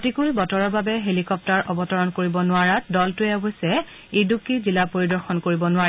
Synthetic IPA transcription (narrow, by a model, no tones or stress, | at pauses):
tikuɹibɔtɔɹɔɹbabɛɦelikɔp̚taɹʔɔbɔtɔɹɔnkoɹibɔnʊaɹatdɔltʊɛɔbɔjsɛ | idukizilapoɹidɔɹxɔnkoɹibɔnʊaɹɛ